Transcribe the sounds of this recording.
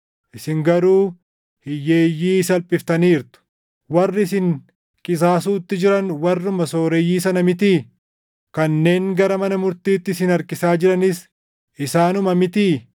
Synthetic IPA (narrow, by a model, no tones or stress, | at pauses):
ʔɪsɪŋɡɐɾuː | hɪjːeːjːiːsɐlpʼːɪft̪ɐniːɾt̪ʊ̥ | wɐrːɪs̬ɪŋ | kʼɪs̬aːs̬uːt̪ːɪd͡ʒɪɾɐnwɐrːʊmɐsoːɾɛjːiːsɐnɐmɪt̪iː | kɐnːe̞ːŋɡɐɾɐmɐnɐmʊɾt̪iːt̪ːɪsɪnɐɾkɪsaːd͡ʒɪɾɐnɪs | ɪsaːnʊmɐmɪt̪iː